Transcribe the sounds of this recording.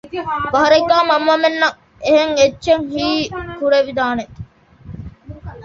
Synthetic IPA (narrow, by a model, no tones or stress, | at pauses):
ʋɐɦɐɾeɡːaːmɐmʋɐmenːɐ | eɦeŋetːʃeŋhiːkuɾeʋid̪aːne